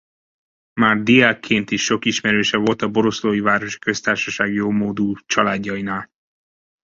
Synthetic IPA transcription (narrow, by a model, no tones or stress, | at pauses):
maːrd̪ijaːkʰːeːnt̪iʃːo̞kiʃmɛɾøːʃɛvo̞lt̪ɒbo̞ɾo̞sloːjivaːɾo̞ʃi̥kø̞st̪aːrʃɒʃaːɡjoːmoːd̪uːt͡ʃɒlaːɟːɒjinaːl